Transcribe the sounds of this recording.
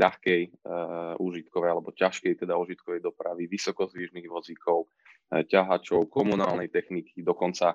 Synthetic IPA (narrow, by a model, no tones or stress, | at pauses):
ʎaxkɛj | uːʒit̪kɔʋɛjalɛbɔcaʃkɛjt̪ɛd̪auːʒit̪̚kɔʋɛjd̪ɔpɾaʋiʋisɔkɔzʋiʒniɣʋɔd͡zikʰɔʊ | caɦat͡ʃɔʊkɔmuna̰ːlnɛjt̪ɛxnikʰid̪ɔkɔnt͡sa